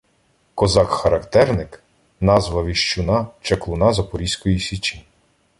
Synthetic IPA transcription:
kɔzɑkxɐɾɐkt̪ɛrnɪk | nɑzʋɐʋʲiʃt͡ʃʊnɑt͡ʃeklˠʊnɑzɐpɔɾʲisʲkɔjisʲit͡ʃʲi

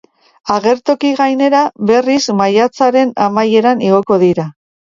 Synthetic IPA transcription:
aɣe̞ɾt̪o̞kiɣajne̞ɾaβe̞rismajat͡saɾe̞namaje̞ɾaniɣ̞o̞ko̞ðiɾa

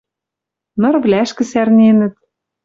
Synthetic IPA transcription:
nɤ̆rvlæʃkɘ̆særnenɘ̆t̪

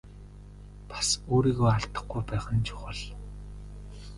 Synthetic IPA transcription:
pḁsoːɾiːɣoːaɬt̪ə̥̆χɡujpæːχə̆nt͡ɕʰʊ̥χə̆ɮ

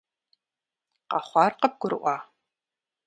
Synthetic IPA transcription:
qɑχʷɑːrqɐp̚ɡʷʊɾɨ̰ʔʷɑː

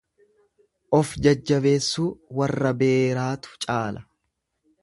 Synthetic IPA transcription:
ʔɔfd͡ʒɐd͡ʒːɐbe̞ːsːuːwɐrːɐbe̞ːɾaːt̪ʊ̥t͡ʃʼaːlɐ

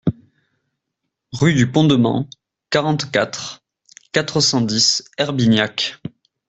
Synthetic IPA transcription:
ʁyd̪ypɔ̃d̪əmɑ̰̃ | kaʁɑ̃t̪kat̪χ | kat̪χəsɑ̃d̪isɛʁbinjak

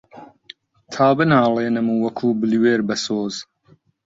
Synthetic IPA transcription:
t̪ʰaːbɨnaːleːnɨmuːwɐkʰuːbɨlweːɾbɐsoːz

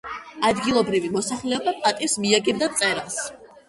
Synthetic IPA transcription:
ad̪ɡilˠɔbɾivimɔsaχlɛɔbapʼat̪ʼifsmiaɡɛbd̪at̪sʼɛɾas

